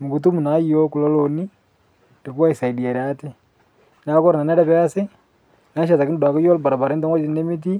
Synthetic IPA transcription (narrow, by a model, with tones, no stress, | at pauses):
mu˨ku˨tu˦mu˨na˨˦jo˦ku˨lo˦lo˨ni˦ | de˨ku˦a˦i˨sa˨i˨di˨a˨ɾa˦te˦ | na˨˦ko˦ɾa˨na˨ne˦ɾɛ˦pɛ˦a˦se˦ | na˨˦ʃa˨ta˨ki˦u˨da˨ko˦jo˦lba˨ɾa˨ba˨ɾe˦nta˦t͡ʃi˦ne˦mi˦t̬i˦